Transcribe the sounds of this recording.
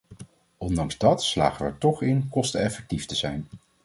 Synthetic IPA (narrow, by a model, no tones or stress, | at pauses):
ʔɔndɑŋzdɑtsla̰ːχəʋəɛ̰ɹtɔχɪnkɔstəɛfɛk̚tiftəzɛjn